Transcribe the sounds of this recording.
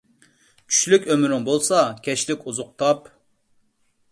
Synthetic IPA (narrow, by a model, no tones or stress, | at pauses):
t͡ʃʲʰy̥ʃlykʲømɾɪŋbolˠsɑkʲʰɛʃlɪkʲuzʊq̚t̪ʰɑp